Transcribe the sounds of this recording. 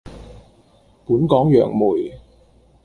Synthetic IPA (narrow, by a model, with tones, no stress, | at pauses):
puː˨˥nkɔː˨˥ŋjœː˨˩ŋmuː˨˩j